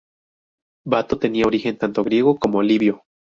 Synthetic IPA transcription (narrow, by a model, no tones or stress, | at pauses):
bat̪ot̪eniaoɾixe̞nt̪ant̪oɣɾjeɣokomoaliβjo